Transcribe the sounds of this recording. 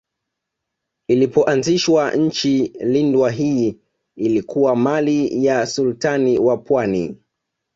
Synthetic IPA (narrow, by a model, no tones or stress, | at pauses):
ilipɔʔanziʃwaɲ̩t͡ʃilindwaɦiː | ilikuwamalijasultaniwapwani